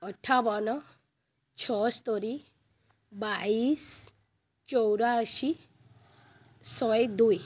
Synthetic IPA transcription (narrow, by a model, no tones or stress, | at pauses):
əʈʰabɔnɔ | t͡ʃʰɔst̪ɔɾi | bais | t͡ʃɔwɾaʃi | sɔjd̪uj